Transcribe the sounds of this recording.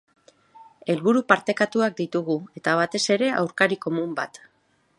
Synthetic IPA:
e̞lβuɾupaɾt̪e̞kat̪uak̚d̪it̪uɣue̞t̪aβ̞at̪e̞se̞ɾe̞ʔa̰wɾkaɾiko̞mumba̰t̪

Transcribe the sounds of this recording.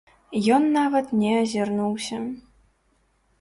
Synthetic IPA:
jɔnːavɐt̪nʲɛɐzʲirnuwsʲɐ

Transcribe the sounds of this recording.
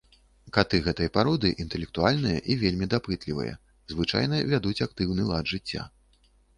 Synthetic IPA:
kat̪ɨɣɛt̪ɨjɐpaɾɔd̪ɨʔint̪ɛlʲɛkt̪ualʲnɨjɐ̰ʔivʲelʲmʲid̪apɨt̪lʲivɨ̰jɐ̰ | zvɨt͡ʂa̰jnɐvʲad̪ut͡sʲak̚t̪ɨwnɨlˠad̪ʐɨt͡sʲːa̰

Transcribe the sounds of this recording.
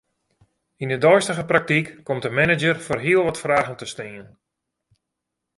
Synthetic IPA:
indədɔjstəɣəprak̚tikːɔmtdəmɛnɪd͡ʒərfoːrɦiəlˠʋɔtfraːɣəntəstɪən

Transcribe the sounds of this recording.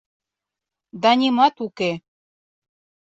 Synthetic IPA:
d̪ɑnʲimɑt̪uke

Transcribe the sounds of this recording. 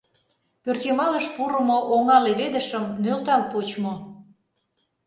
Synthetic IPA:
pørt̪jemɑləʃpuɾə̆moʔoŋɑleβed̪ə̆ʃə̆mnølt̪ɑlpot͡ɕmo

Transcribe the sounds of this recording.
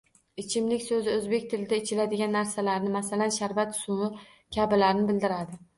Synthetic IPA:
ɪt͡ʃʰɪmlɪkʲsɵzɪɵzbekʲt̪ʰɪlɪd̪aɪt͡ʃʰɪlad̪ɪɡʲanːaɾsalaɾnɪmasalanʃaɾvat̪sʊmʊ | kʲʰabɪlaɾnɪbɪld̪ɪɾad̪ɪ

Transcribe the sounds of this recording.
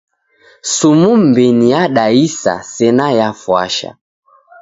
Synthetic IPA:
sumum̩bɛnijaɗaisa̰sɛnajafwa̰ʃa̰

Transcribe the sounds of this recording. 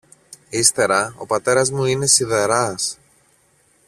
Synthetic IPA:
ist̪e̞ɾɐo̞̰pɐt̪e̞ɾɐzmuine̞siðeɾɐs

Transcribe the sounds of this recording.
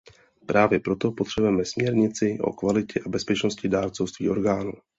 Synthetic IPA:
pɾaːvjɛpɾo̞t̪o̞pot̪r̥ɛbujɛmɛsmɲɛɾɲɪt͡sɪʔo̰kvalɪcɛʔabɛspɛt͡ʃno̞scɪdaːɾt͡sofst̪vḭːʔo̞ɾɡaːnuː

